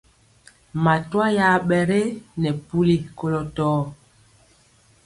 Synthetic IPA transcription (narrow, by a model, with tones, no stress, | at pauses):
ma˨twa˦ja˨˦ɓɛ˨ɾe˦nɛ˨pu˦li˦ko˨lɔ˨tɔː˦